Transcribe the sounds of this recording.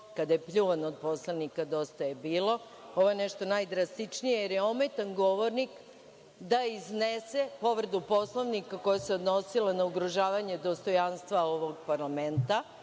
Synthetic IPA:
kad̪ajepʎuʋanod̪̚poslˠaʋnikad̪o̞st̪ajebiːlˠo̞ | o̞ʋo̞jeneʃt̪o̞najd̪ɾast̪it͡ʃnijejeɾjeomet̪anɡo̞ʋoɾnik | d̪aiznesepo̞ʋɾd̪upo̞slˠoʋnikako̞jaseo̞d̪no̞silˠanauɡɾoʒaːʋaɲe̞d̪o̞st̪o̞janst̪ʋaoʋoɡpaɾlament̪a

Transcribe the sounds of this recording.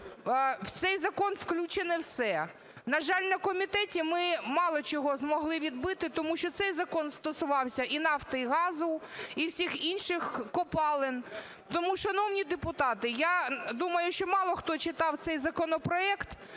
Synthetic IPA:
wt̪sɛjzɐkɔnfklʲut͡ʃenɪwsɛ | nɐʒɑlʲnɐkɔmʲit̪ɛtʲimɪmɑlˠɔt͡ʃɔɦɔzmɔɦlˠɪʋʲid̪̚bɪt̪ɪt̪ɔmuʃt͡ʃɔt̪sɛjzɐkɔnst̪ɔsʊʋɑwsʲɐʔinɑft̪ɐɦɑzʊiwsʲixinʃɪxkɔpɑlˠɪn | t̪ɔmuʃɐnownʲid̪epʊt̪ɑt̪ɪjad̪umɐjʊʃt͡ʃɔmɑlˠɔxt̪ɔt͡ʃɪt̪ɑwt̪sɛjzɐkɔnɔpɾɔɛkt̪

